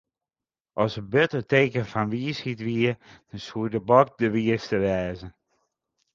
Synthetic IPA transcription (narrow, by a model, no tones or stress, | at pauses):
ʔɔsəbøtəteːkəfanʋiəshitʋiəd̥ɔnsuədəbɔk̚dəʋiəstəʋɛːzə